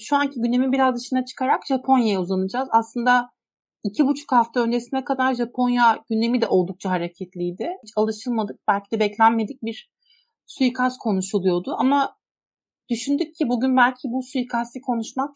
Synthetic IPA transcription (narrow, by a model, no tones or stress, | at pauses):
ʃuancʰiɟynd̪e̞mibiɾazd̪ɯʃɯnat͡ʃʰɯ̥kʰaɾakʒ̥apʰo̞njajauzanɯd͡ʒaːzaslˠɯnd̪a | icʰibut͡ʃʰu̥khaft̪ʰaø̞nd͡ʒe̞sinɛkad̪aɾʒapʰo̞njaɟynd̪e̞mid̪ɛʔo̞lˠd̪uk̚t͡ʃʰaɦaɾecʰɛt̪lʲijd̪ɪhit͡ʃʰalˠɯʃɯlˠmad̪ɯk̚b̥ælʲcʰid̪ɛbɛclʲænme̞d̪ic̚biɾ̥ | sujikʰaskʰo̞nuʃulˠujo̞d̪ʊama | d̪̥yʃynd̪ycʰːibuɟynbælʲcʰibusujikʰasikʰo̞nuʃmak̚